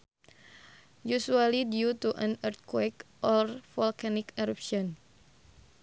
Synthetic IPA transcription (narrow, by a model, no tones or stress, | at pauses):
jusualidiut̪uʔãnərt̪̚kwɛkʔɔlrfɔlkanikaɾɔpʃiɔn